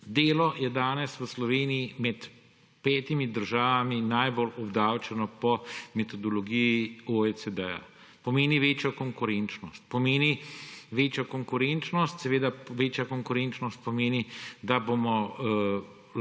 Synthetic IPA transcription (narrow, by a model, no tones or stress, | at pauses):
d̪eːlɔjɛd̪aːnɛsʋəslɔʋeːnijimɛt̪ | pɛːt̪imid̪əɾʒaːʋaminajbolɔbd̪aːwt͡ʃɛnɔpɔmet̪ɔd̪ɔlɔɡijioesed̪ɛja̰ | pɔmeːniʋeːt͡ʃjɔkɔŋkʊɾent͡ʃnɔst̪̚pɔmeːniʋeːt͡ʃjɔkɔŋkʊɾent͡ʃnɔst̪sɛʋeːd̪aʋeːt͡ʃjakɔŋkʊɾent͡ʃnɔst̪̚pɔmeːnid̪abomɔ